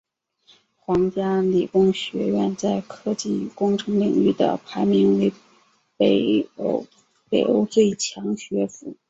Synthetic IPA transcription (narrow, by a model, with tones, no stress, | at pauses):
xwɑ˧˥ŋt͡ɕja˥li˨˩kʊ˥ŋɕɥɛ˧˥ɥɛ˥˧nt͡sa˥˧ɪkʰɤ˥t͡ɕi˥˩kʊ˥ŋʈ͡ʂʰɤ˧˥ŋli˨˩ŋy˥˩d̪ə̰˩pʰa˧˥ɪmi˧˥nwe˧˥ɪ | pe˧˩ɪo˥ʊ | pe˨˩ɪo̰˥ʊt͡swe˥˩ɪt͡ɕʰjɑ˧˥ŋɕɥɛ˧˥fu˧˥